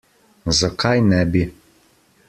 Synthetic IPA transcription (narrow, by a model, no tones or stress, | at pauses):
zakʰajnɛbi